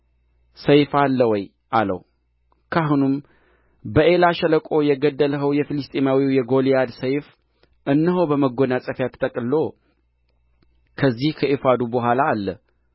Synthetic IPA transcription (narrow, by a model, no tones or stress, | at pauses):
səjfalːəwɔj | ʔalə̰w | kʰaɦunum | bəʔe̞laʃələkʼo̞jɛɡəd̪ːələɦəwjɛfilɨst̪ʼemawiwjɛɡo̞lijad̪səjf | ʔɨnːəɦo̞bəməɡonat͡sʼəfjat̪ʰːət̪ʼəkʼlːo | kʰəzːihkʰəʔifad̪ubəɦʷalaːlːə